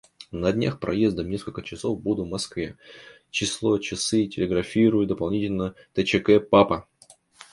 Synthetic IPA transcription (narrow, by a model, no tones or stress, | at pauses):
nɐdʲnʲaxpɾʔɐ̰je̞zd̪əmnʲe̞skəlʲkət͡ɕɪso̞vbud̪ʊvmɐskvʲe̞ | t͡ɕɪslˠo̞t͡ɕɪsɨtʲɪlʲɪɡɾɐfʲiɾʊjʊd̪əpɐlˠnʲitʲɪlʲnə | t̪ət͡ɕɪkɛpapə